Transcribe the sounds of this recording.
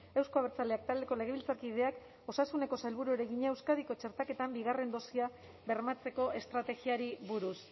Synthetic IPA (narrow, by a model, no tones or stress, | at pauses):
e̞wsko̞aβet͡sale̞ak̚t̪ald̪e̞ko̞le̞ɣ̞e̞βilt͡sakið̞e̞ak | o̞sasune̞ko̞sajlβuɾueɾe̞ɣiɲaewskaðiko̞t͡ʃe̞ɾt̪ake̞t̪ambiɣ̞are̞nd̪o̞sia | βe̞ɾmat͡se̞ko̞e̞st̪ɾat̪e̞ɣiaɾiβuɾus